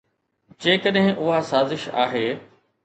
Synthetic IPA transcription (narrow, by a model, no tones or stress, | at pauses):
d͡ʑẽːkəɗɦɪ̃ʔʊɦasaːzɪʃa̰ːɦeː